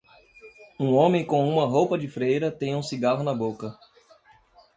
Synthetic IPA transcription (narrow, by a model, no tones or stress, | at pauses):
ũõmẽj̃kõũmɐɦowpɐd͡ʒɪfɾejɾɐt̪ẽj̃ũsiɡaɦʊnɐbokɐ